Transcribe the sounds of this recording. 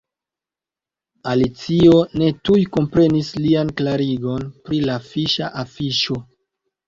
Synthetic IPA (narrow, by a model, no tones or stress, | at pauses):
alit͡sio̞ne̞tujko̞mpɾe̞nislianklaɾiɡo̞npɾilafiʃaʔafiʃo̞